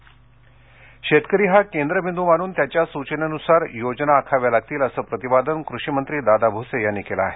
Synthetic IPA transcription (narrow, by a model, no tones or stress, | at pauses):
ɕet̪kəɾiːɦakend̪ɾəbʱind̪umaɽ̃uːnt̪jat͡ɕjasut͡ɕənenusaɾjod͡ʑnaːkʰaʋjalaɡ̚t̪iːləsəːpɾət̪ibad̪ənkɾuɕimənt̪ɾiːd̪ad̪abʱusejanːikela̰ːɦe